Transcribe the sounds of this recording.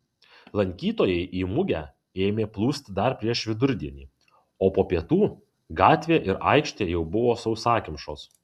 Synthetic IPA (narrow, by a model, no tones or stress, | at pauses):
lˠɐŋʲkʲiːt̪oːjɛɪʔiːmʊɡʲæ | eːmʲeːplˠuːsʲt̪ʲd̪ɐɾpʲɾʲiɛʃʋʲɪd̪ʊɾʲd̪ʲiɛnʲiː | oːpoːpʲiɛt̪uː | ɡɑːt̪ʲʋʲeːʔɪɾɑ̰ˑɪkʃʲt̪ʲeːjɛʊbʊʋoːsɐʊsɑːkʲɪmʃoːs